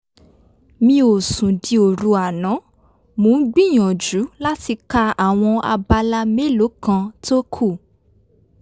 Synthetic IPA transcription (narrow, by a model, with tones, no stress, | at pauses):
mĩ˧o˨sũ˨di˧o˨ɾu˧a˨nã˨˦ | mũ˨˦ɡ͡bĩ˦˨j̃ɔ̃˨d͡ʒu˨˦la˦ti˧ka˧a˨w̃ɔ̃˧a̰˧ba˧la˧me˦lo˨˦kã˧to˦kʰu˦˨